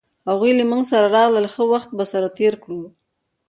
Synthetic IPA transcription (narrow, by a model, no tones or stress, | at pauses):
haɣujlamuŋɡsaɾaɾɑɣləlxəwaxt̪̚basaɾat̪eɾkɽu